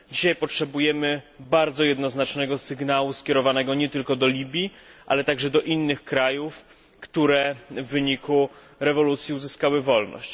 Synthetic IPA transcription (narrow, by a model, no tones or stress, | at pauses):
d͡ʑiɕajpɔtʂɛbujɛmɘbaɾd̪zɔjɛd̪nɔznat͡ʂnɛɡɔsɘɡnawuskʲɛɾɔvanɛɡɔɲɛt̪ɘlkɔd̪ɔlʲibʲjiʔa̰lɛt̪aɡʐɛd̪ɔʔinːɘxkɾajuf | kt̪uɾɛvːɘɲiku | ɾɛvɔlut̪sʲjiuzɘskawɘvɔlnɔ̰ɕt͡ɕ